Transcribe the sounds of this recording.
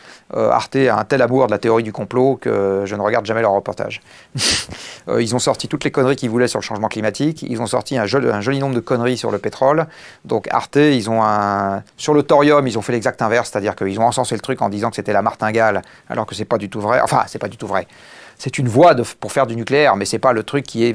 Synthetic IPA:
ø̰a̰ʁt̪ea̰ɛ̃t̪ɛlamuʁd̪əlat̪eɔʁid̪ykɔ̃plokə̰ʒənəʁəɡaʁd̪ʒamɛlœʁːəpɔʁt̪a̰ʒ | ø̰ilzɔ̃sɔʁt̪it̪ut̪lekɔnʁikʲivulɛsyʁləʃɑ̃ʒmɑ̃klimat̪ikḭlzɔ̃sɔ̰ʁt̪iɛ̃ʒɔɛ̃ʒɔlinɔ̃bʁd̪əkɔnʁisyʁləpet̪χɔl | d̪ɔ̃ka̰ʁt̪eilzɔ̃ɛ̃syʁlət̪ɔʁjɔmilzɔ̃fɛlɛɡzak̚t̪ɛ̃vɛʁsːɛ̥t̪ad̪iʁkəilzɔ̃ɑ̃sɑ̃selət̪χykɑ̰̃d̪izɑ̃kə̥set̪ɛlamaʁt̪ɛ̃ɡal | a̰lʔɔʁkəsɛpad̪yt̪uvʁɛʔɑ̰̃fɛ̰̃sɛpad̪yt̪uvʁɛ | sɛt̪ynvwad̪əpuʁfɛʁd̪ynykleɛʁmɛsɛpalət̪χykʲʰːiɛ

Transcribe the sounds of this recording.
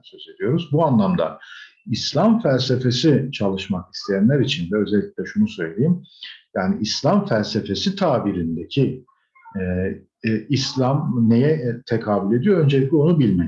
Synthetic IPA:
søze̞d̪ijo̞ɾuzbuanlˠamd̪a̰ | islʲamfælʲse̞fe̞sit͡ʃʰalˠɯʃmaki̥st̪ʰejænlʲæɾit͡ʃʰind̪ɛø̞zɛlʲːi̥cʲlʲɛʃunusø̞jlʲe̞jimjaːniːslʲamfælʲse̞fe̞sit̪ʰaːbiɾind̪ecʰi | ɛː | slʲamne̞jɛt̪ʰekʰaːbilʲe̞d̪ijoø̞nd͡ʒeic̚lʲɛo̞nubilʲmɛ

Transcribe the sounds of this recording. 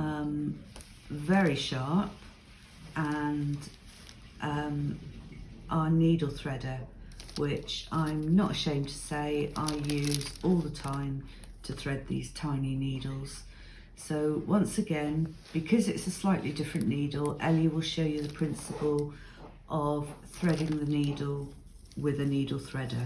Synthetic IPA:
ʌ̃m | vɛɹiʃɑˑp̚ | ʔə̃n | ʔʌ̃m | ʔəniːdl̩ˠθɹ̥ɛdəwɪt͡ʃãɪ̃mnətəʃẽɪ̃mtʰə̥seɪʔaɪjʉːzɔːlˠðətʰãɪ̃m | tʰəθɹɛd̪̚ðḭːz̥tʰãɪ̃niniːdl̩ˠz̥ | soʊwʌ̃nsəɡɛ̃nb̥ɪkʰɒzɪtsəslaɪʔlʔidɪfɹə̃nːiːdl̩ˠɛliwɪlˠʃoʊjəðəpʰɹ̥ɪ̃nsəpəlˠ | ʔəv̥θɹɛɾɪ̃ŋðəniːdl̩ˠ | wɪðəniːdl̩ˠθɹɛdə

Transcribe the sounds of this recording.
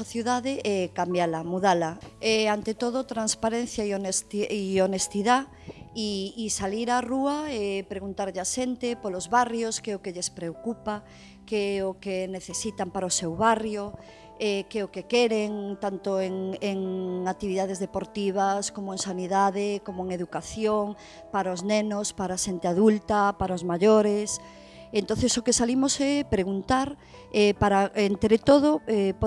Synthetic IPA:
aθjuðaðeʔɛkambjalamuðalaɛant̪et̪oð̞ot̪ɾanspaɾẽn̟θjaionest̪ionest̪iða | iːsaliɾaruaepɾeɣunt̪aɾʎaʃent̪epolozβarjoskɛokeʎespɾeokupa | keɛokeneθesit̪ampaɾaosewβarjo | ɛkɛokekeɾeŋt̪ant̪oeŋeŋakt̪iβiðað̞ezðepoɾt̪iβ̞askomoeŋsaniðaðekomoeŋeðukaθjoŋ | paɾaoznenospaɾaːʃent̪eaðult̪apaɾaozmaʎoɾes | ent̪õθesokesalimosɛpɾeɣunt̪aɾ | ɛpaɾaʔent̪ɾet̪oð̞oɛp

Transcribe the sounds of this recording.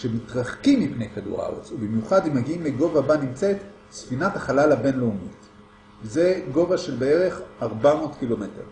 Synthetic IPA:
ʃemitʁaχkimːipne̞jkadṵʁa̰o̰t͡subimjuχadimːaɡiimleɡo̞vabanimt͡se̞t | sfinathaχalalabe̞nleumit | veze̞ɡo̞vaʃe̞lbee̞ʁe̞χaʁbamo̞ːtkilo̞me̞te̞̰ʁ

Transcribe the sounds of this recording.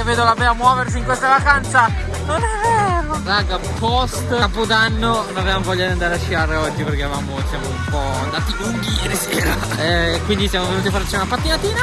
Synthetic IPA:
evːeːd̪olabɛamːwɔːvers̬iŋkwest̪avakant̪sa | nonɛvːeːɾoraɡapɔst̪apod̪anːonnnavevamovɔʎːad̪iand̪aːɾeaʃːiaɾeɔd͡ʒːiperkeaɾavaːmosjamoumpɔand̪aːt̪iluŋɡiɾeseːɾa | ɛkwind̪isjamovenuːt̪ifaɾt͡ʃiunapat̪ːinat̪iːna

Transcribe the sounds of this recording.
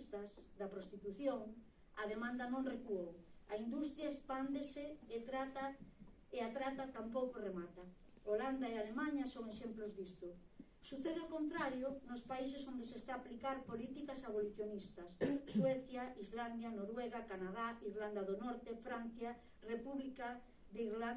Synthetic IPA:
st̪asðapɾost̪it̪uθjoŋ | aðemãnd̪ɐnõŋrekuowaind̪ust̪ɾjaespand̪eseːt̪ɾat̪a | eat̪ɾat̪at̪ampowkoremat̪a | oland̪aealemãɲasoŋeʃemplozðist̪ʊ | suθeðeaokont̪ɾaɾjonospais̬esond̪esest̪aːplikaɾpolit̪ikasaβoliθjonist̪asːweθjaizland̪janoɾweɣakanað̞aiɾland̪aðonɔɾt̪efɾan̟θja | repuβlika | d̪eiɾla

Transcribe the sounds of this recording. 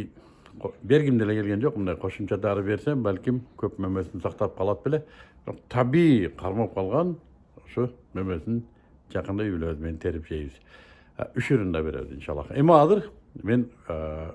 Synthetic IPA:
be̞ɾɡʲɪmd̪elekʰʲe̞lɡʲend͡ʒo̞qmənd̪ɑjqʰo̞ʃəmt͡ʃɑd̪ɑɾəbe̞ɾse̞ŋbælkʲɪmkʲʰɵpmɵme̞sɪnsɑqt̪ɑp̚qʰɑlˠɑd̪əbɪleb̥ɪɾo̰qt̪ʰɑbiqʰɑɾmɑp̚qʰɑlˠʁɑn | ʊʃomɵmesɪn | ʒɑqənd̪ɑjʏbɪlezɪment̪ʰe̞ɾɪpʒejbɪz̥ | ʏʃiɾənd̪ɑbe̞ɾḛd̪ə̰nʃɑlˠːɑ̰qemɑɑzəɾme̞n

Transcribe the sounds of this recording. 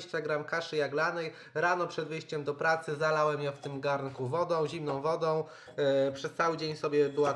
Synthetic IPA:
ɕt͡ɕaɡɾamkaʂɘjaɡlanɛj | ɾanɔpʂɛd̪vɘjɕt͡ɕɛmd̪ɔpɾat̪sɘzalawɛmjɔ̃ft̪ɘmɡaɾnkuvɔd̪ɔ̃w̃ʑimnɔ̃w̃vɔd̪ɔ̃w̃ | pʂɛst̪sawɘd͡ʑeɲsɔbʲjɛbɘwa

